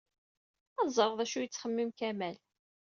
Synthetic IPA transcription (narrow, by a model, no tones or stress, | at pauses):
æzˤəɾˤðˤæʃujət͡sːχəmːimkæmæl